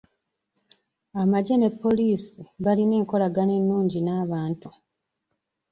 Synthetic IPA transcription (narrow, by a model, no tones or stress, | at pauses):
amaɟene̞pːo̞liːsiβaline̞ːŋko̞laɡane̞nːuːɲɟinaːβaːntu